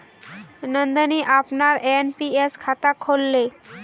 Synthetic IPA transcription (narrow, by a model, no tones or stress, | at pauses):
nənd̪əniʔapnaɾenpieskʰat̪akʰolːe